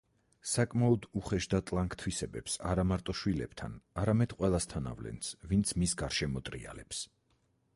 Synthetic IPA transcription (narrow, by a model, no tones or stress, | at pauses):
sakʼmaɔd̪uχɛʃd̪at̪ʼlˠaŋkʰt̪ʰwisɛbɛpsa̰ɾamaɾt̪ʼɔʃwilɛb̥t̪ʰa̰naɾamɛd̪̥qʼwɛlˠast̪ʰana̰vlɛ̰nsvint̪sʰmisɡaɾʃɛmɔt̪ʼɾia̰lɛps